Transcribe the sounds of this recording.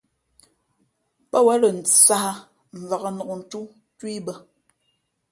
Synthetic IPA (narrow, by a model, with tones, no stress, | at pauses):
pə˦wɛ˨˦lə˨n̩˨sa˦ha˦ | ɱ̩˨va˨ɣə˦nɔ˨ʔn̩˨tu˦ | twi˦bə˦